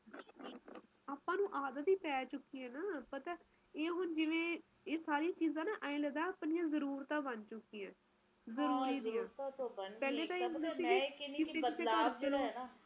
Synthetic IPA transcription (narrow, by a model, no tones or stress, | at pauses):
aːpãːnũːʔaːd̪ət̪iːpɛːt͡ʃʊkːiːɛ̃ːnaːpət̪ɛː | eːɦʊnd͡ʒɪʋẽː | eːsaːɾijãːt͡ʃiːzãːnaːʔəẽːləd̪ãːaːpnɪjãːzəɾuːɾt̪ãːbənt͡ʃʊkːiːãː | zəɾuːɾiːd̪ɪjãːpɛːleːt̪ãːɪsneːsiːɡekɪseːkɪseːəɾt͡ʃəloː